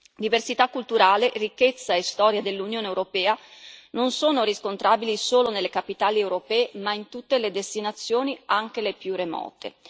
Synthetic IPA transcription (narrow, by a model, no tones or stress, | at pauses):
d̪iversit̪akːult̪uɾaːlerikːet̪sːaest̪ɔːɾjad̪elːunjoːnewɾopɛːanonsoːnoɾiskont̪ɾaːbilisoːlonelːekapit̪aːliewɾopɛːemaint̪ut̪ːeled̪est̪inat̪sːjoːniaŋk̟elepjuremɔ̰ːt̪ḛ